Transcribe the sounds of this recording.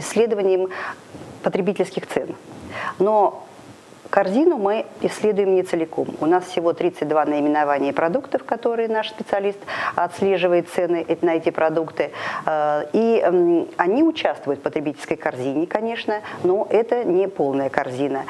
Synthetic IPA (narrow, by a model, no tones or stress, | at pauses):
ɪsʲːlʲed̪əvənʲɪjəm | pət̪ɾʲɪbʲitʲɪlʲskʲɪxt̪sɛnno̞ | kɐrzʲinʊmɨɪsʲːlʲe̞d̪ʊjɪmnʲɪt̪sɨlʲɪko̞mʊ̰nasfsʲɪvo̞t̪ɾʲit̪sɨt̚ʲd̪vanəɪmʲɪnɐvanʲɪjəpɾɐd̪ukt̪əfkɐt̪o̞ɾɨjənaʂspʲɪt̪sɨɐlʲist̪ɐt̪sʲlʲe̞ʐɨvəjɪt̪t̪sɛnɨʔnəɛtʲɪpɾɐd̪ukt̪ɨ | i | ɐnʲiʊt͡ɕast̪vəjʊt̪fpət̪ɾʲɪbitʲɪlʲskəjkɐrzʲinʲɪkɐnʲe̞ʂnəno̞ʔɛt̪ənʲɪpo̞lˠnəjəkɐrzʲinə